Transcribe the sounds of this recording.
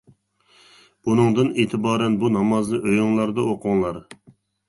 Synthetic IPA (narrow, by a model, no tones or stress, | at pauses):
b̥unɨŋd̪ɨneːt̪ʰɪbɑːɾɛnbunɑmɑzlˠɨʔøjʊŋlˠɑɾd̪ɑoqʰʊŋlˠɑɾ